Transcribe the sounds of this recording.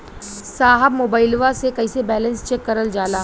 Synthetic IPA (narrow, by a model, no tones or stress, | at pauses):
saːɦəbmoːbaːɪlʋasekɐisebɛːlə̃nst͡ʃekːɐɾəld͡ʒaːlaː